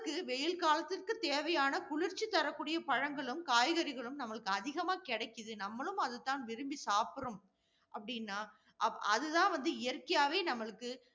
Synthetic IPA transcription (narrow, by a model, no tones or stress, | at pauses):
kːɯʋɛjɪlkaːlɐt̪ːɪrkɯt̪eːʋɐjaːnɐkʊɭɪɾt͡ʃːit̪ːɐɾɐkːuːɽɪjɐpɐɻɐŋɡɐɭɯmkaːjɣɐɾɪɣɐɭɯmnɐmːɐɭɯkːɯɐðɪɣɐmaːkɪɽɐɪkːɯðɯnɐmːɐɭɯmɐðɯt̪ːaːnʋɪɾɯmbisaːpɯɾɯm | ʔɐpːɐɽɪnːaː | ʔɐɐðɯt̪ãːnʋɐnd̪ɯɪjɐɾkɐjaːʋeːnɐmːɐɭɯkːɯ